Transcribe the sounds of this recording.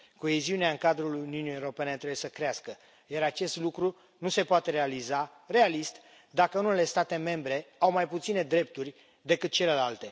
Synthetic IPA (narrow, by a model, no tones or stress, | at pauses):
ko̞eziuneaɨŋkad̪ɾuluniuniewɾo̞pe̞ne̞t̪ɾe̞buje̞səkɾeaskə | jaɾat͡ʃe̞st̪lukɾu | nuse̞poat̪e̞ɾealiza | re̞alist̪ | d̪akəunele̞st̪at̪e̞me̞mbɾe̞awmajput̪sine̞d̪ɾe̞p̚t̪urʲ | d̪e̞kɨt̪̚t͡ʃe̞le̞lalt̪e̞